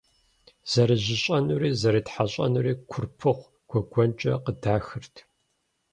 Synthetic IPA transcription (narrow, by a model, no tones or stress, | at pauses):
z̥ɐɾɨʑɪɕʼɐnuriːzɐɾiːtħaɕʼɐ̰nuriːkʷʰʊrpʰɨχʷ | ɡ̥ʷʰɔɡʷɔnt͡ʃʼɐqədaːxɨrtʰ